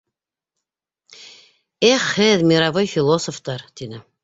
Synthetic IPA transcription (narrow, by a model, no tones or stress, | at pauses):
eχːɘðmʲiɾavojfʲilˠosoft̪ɑɾt̪inɘ